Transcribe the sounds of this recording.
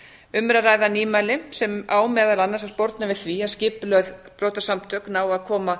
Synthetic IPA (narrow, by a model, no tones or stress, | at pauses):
ʏmɾaraːjðaniːmajlɪsɛmaːwmɛːðaɾanːaɾsaspɔɾt̪navɪðθviaðscɪplœðpɾowt̪asamt̪ʰœknaːwaðkʰɔːma